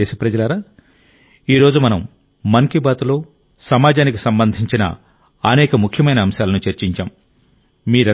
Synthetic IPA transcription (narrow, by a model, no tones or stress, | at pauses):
eːsipɾɐd͡ʒɐlɐɾaː | iːɾo̞ːd͡ʒumɐnɐmː | ɐŋkibaːt̪ulo̞ː | sɐmaːd͡ʒaːnikisɐmbɐnd̪ʱiɲt͡ʃinɐ̰ | ɐnɛːkɐmukʰjɐmɐjnɐːmʃaːlɐnut͡ʃɐɾt͡ʃiɲt͡ʃaːmː | iːɾɐ